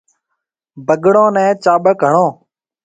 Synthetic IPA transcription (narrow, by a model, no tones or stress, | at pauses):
bəɠɽõːnɛ̃ːt͡ʃaːɓəkəɳõː